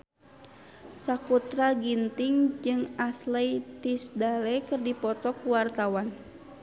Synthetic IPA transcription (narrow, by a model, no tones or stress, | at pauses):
sakut̪ɾaɡint̪iŋd͡ʒɨŋaslɛt̪isdalɛkɨrdipɔt̪ɔkuwart̪awan